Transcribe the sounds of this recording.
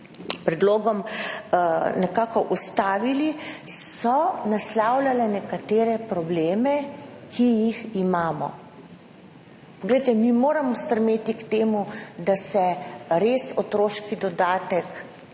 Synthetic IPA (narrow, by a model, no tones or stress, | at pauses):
pɾɛd̪loːɡɔm | nɛkaːkɔʔust̪aːʋilisɔnaslaːwlʲalɛnɛkat̪eːɾɛpɾɔbleːmɛkʰijiximaːmɔ̰ | pɔɡlɛjt̪ɛmimoːɾamɔst̪ɾmeːt̪ikt̪eːmud̪asɛɾeːsot̪ɾoːʃkid̪ɔd̪aːt̪ɛk